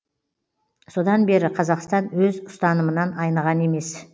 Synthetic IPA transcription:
so̞d̪ɑnbe̞ɾɪqʰɑzɑqst̪ɑnwɵzʊ̥st̪ɑnəmənɑnɑjnɑʁɑne̞me̞s

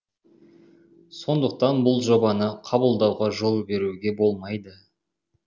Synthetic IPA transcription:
so̞nd̪əq̚t̪ɑnbʊlˠʒo̞bɑnəqʰɑbəlˠd̪ɑwʁɑʒo̞lˠbe̞ɾuɡʲe̞bo̞lˠmɑjd̪ə

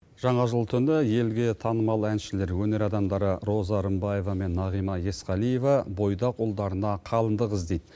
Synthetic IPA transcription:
ʒ̥ɑɴɑʒəlˠt̪ʰʏnɪje̞lɡʲe̞t̪ʰɑnəmɑlˠænʃɪle̞ɾwɵne̞ɾɑd̪ɑmd̪ɑɾəɾo̞zɑɾəmbɑje̞vɑme̞nːɑʁijmɑje̞sqɑlˠije̞vɑbo̞jd̪ɑqolˠd̪ɑɾənɑqʰɑlˠənd̪əʁəzd̪e̞jd̪

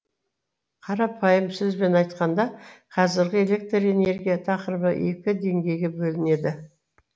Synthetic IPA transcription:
qʰɑɾɑpʰɑjəmsʏzbe̞nɑjt̪qɑnd̪ɑqʰɑzɪɾɡʲɪe̞le̞k̚t̪re̞ne̞ɾɡʲijat̪ʰɑqəɾəbəʔe̞kʲɪd̪e̞ŋɡʲe̞jɡʲebɵlɪne̞d̪ɪ

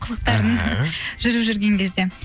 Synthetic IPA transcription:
qʰəlˠəq̚t̪ɑɾəɴʒ̥ʏɾɨpʒʏɾɡʲe̞ŋkʲʰe̞zd̪e̞

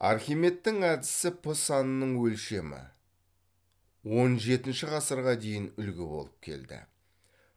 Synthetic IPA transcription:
ɑ̰ɾχʲijme̞t̪ːɪŋæd̪ɪsɪpʰʊsɑnənəɴwɵlʃe̞mɪ̰ | wo̞nʒe̞t̪ɪnʃɪʁɑsəɾʁɑd̪e̞jɪnʏlɡʲɪbo̞̰lˠəp̚kʲʰe̞̰ld̪ɪ̰

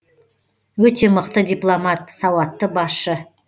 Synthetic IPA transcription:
wɵt̪e̞məqt̪əd̪ʲiplˠomat̪sɑwɑt̪ːəbɑsʃə

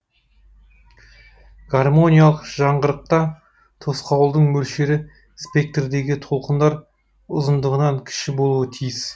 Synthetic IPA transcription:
ɡ̥armo̞nʲijalˠəqʒ̥ɑɴʁəɾəq̚t̪ɑ | t̪ʰosqɑwlˠd̪əɴmɵlʃe̞ɾɪ | spʲe̞k̚t̪rd̪e̞ɡʲɪt̪ʰo̞lˠqənd̪ɑɾ | ʊzənd̪əʁənɑŋkʲʰɪ̥ʃɪbo̞lˠuət̪ʰijɪs

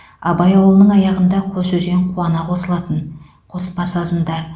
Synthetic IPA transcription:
ɑbɑjɑwlˠənəɴɑjɑʁənd̪ɑqʰɵsɵzɡʲeɴqʰuwɑnɑqʰo̞səlˠɑt̪ən | qʰo̞spɑsɑzənd̪ɑ

